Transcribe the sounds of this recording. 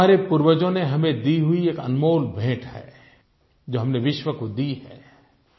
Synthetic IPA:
aːɾepʊɾwəd͡ʒõneɦɐmẽd̪iɦʊieːkɐ̰nmoːlbʱẽːʈhɛ̰ː | d͡ʒoːɦɐmneʋɪʃwəkod̪iɦɛ̰ː

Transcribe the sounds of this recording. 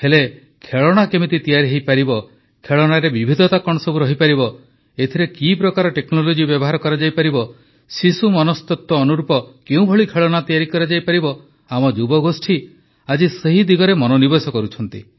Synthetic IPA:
hele | kʰeɭɔɽ̃akemit̪it̪ijaɾiɦejpaɾibɔ | kʰeɭɔɽ̃aɾebibʱid̪ʱɔt̪akɔɽ̃ɔsɔbuɾɔɦipaɾibɔ | et̪ʰiɾekipɾɔkaɾɔʈeknɔlod͡ʒibjɔbɔɦaɾɔkɔɾad͡ʒajpaɾibɔ | sisumɔnɔst̪ɔt̪ːɔːnuɾupɔkeũbʱɔɭikʰeɭɔɽ̃at̪ijaɾikɔɾad͡ʒajpaɾibɔ | amɔd͡ʒubɔɡosʈʰi | ad͡ʒiseɦid̪iɡɔɾemɔnonibesɔkɔɾut͡ʃʰɔnt̪ḭ

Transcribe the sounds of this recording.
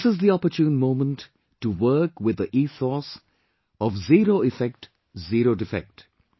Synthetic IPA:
sɪzðiɔpəɾtjũːnmõːmə̃ntː | uwɜ˞kwɪðəʔiːsɔs | ɔvziːɾoːɪfɛk̚ʈ | ziɾoːdɪfɛ̰k̚t

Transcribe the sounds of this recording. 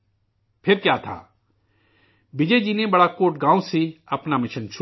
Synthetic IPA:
pʰɪɾkjaːt̪ʰa̰ː | bɪd͡ʒed͡ʒiːnebɐɽakoːʈɡãːõsiɐpnamɪʃənt͡ʃʰ

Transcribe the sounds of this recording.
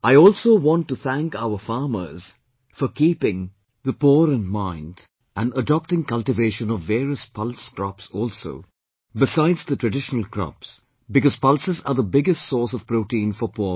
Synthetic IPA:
ʔaɪɔːlˠsoʊwɑ̃ntːuθæ̃ŋkaʊəfɑːmə̰˞z̥ | fɔkiːpɪ̃ŋ | ðəpɔːɾə̃nmãɪ̃nd | ʔæ̃nədɑp̚ʈɪ̃ŋkʌltɪveɪʃə̃nɔvːeːɹiəspʰʌlˠskɹɔpsɔːlˠso̰ʊ | bɪsaɪdzðətʰɹɨdɪʃənəl̩ˠkʰɹɑ̰ps | bɨkɔz̥pʌlsɨzəðəbɪɡɨstsɔːsɔv̥pɾoʊʈĩːnfɔpʰɔ

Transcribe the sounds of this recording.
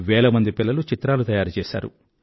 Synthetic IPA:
ʋɛːɭɐmɐnd̪ipilːɐlut͡ʃit̪ɾaːlut̪ɐjaːɾut͡ʃɛːsa̰ːɾṵ

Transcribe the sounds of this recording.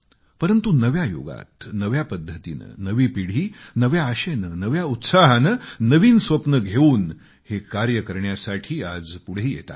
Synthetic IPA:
pəɾənt̪unəʋjajo̰ɡa̰t̪nəʋjapəd̪ʱːət̪ḭnə̰nəʋiːpiɽ̤iːnəʋjaːɕenənəʋjaut̪saɦanənəʋiːnsʋəpnəɡʱeuːn | hekaɾjəkəɾɳjasaʈʰiːad͡zpuɽ̤eiːjḛt̪a̰t̪

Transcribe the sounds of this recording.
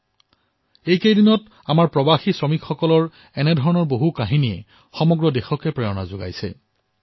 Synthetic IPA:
ejkejdinɔt | amaɹpɹɔbaxisɹɔmikxːɔkɔlɔɹ | ɛnɛdʱɔɹɔnɔɹboɦukaɦiniɛ̰ | xɔmɔɡɹɔdexɔkɛpɹɛɹɔna̰zoɡa̰jsɛ̰

